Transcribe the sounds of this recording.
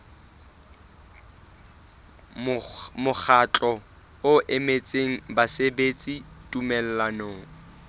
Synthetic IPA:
mʊk͡xʰat͡ɬʼɔ | ʊʔemet͡sʼeŋ̩basebet͡sʼitʼumɛl̩lanoːŋ̩

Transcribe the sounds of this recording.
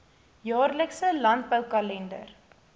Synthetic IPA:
jɑːrləksəlɐnt̚bəwkɐlɛndə̰r

